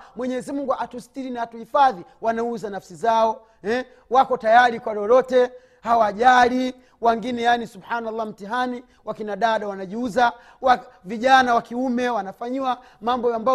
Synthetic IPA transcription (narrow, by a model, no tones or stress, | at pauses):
mwɛɲɛzimuŋɡuʔatustiɾinaːtuhifaðiwanauzanafsizaɔ | ɛ | wakɔtajaɾikwalɔlɔtɛ | hawaːʄali | waŋɡinɛjanisubħanalˠːam̩tiɦani | wakinaɗaɗawanaʄiuza | waviʄanawakiumɛwanafaɲiwa | mambɔamba